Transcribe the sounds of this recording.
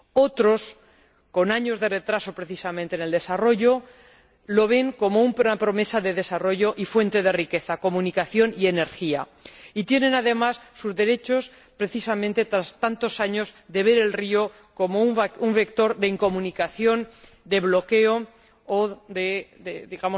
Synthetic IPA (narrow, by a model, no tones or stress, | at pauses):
o̞t̪ɾo̞s | ko̞naɲo̞zðe̞re̞t̪ɾaso̞pɾe̞θisamẽnt̪eneld̪e̞saro̞ʝo̞ | lo̞β̞e̞ŋko̞mo̞umpnapɾo̞me̞saðe̞ðe̞saro̞ʝo̞ʔifwe̞nt̪e̞ð̞e̞rike̞θako̞mũnikaθjo̞nie̞ne̞ɾxia̰ | it̪jenẽ̞naðe̞masːuzðe̞ɾe̞t͡ʃo̞s | pɾe̞θisamẽ̞nt̪e̞t̪ɾast̪ant̪o̞saɲo̞zd̪e̞β̞e̞ɾe̞lrio̞ | ko̞mo̞umuɱfe̞kt̪o̞ɾðe̞iŋko̞mũnikaθjo̞n | d̪e̞βlo̞ke̞o̞ | oðed̪eðiɣamo